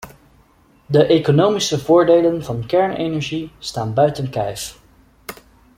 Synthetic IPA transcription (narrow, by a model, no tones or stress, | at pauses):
dəʔejkonowmisəvʊːɹdejlənvɑnkɛɹnejnɛɹʒistaːnbœɥtənkɛ̰jf